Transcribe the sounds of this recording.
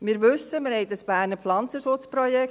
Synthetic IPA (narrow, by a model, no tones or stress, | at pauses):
mɪːɾʋʏsəmɪɾhɛɪdəsb̥æːɾnəflɑnt͡səʃʊt͡sprɔjɛk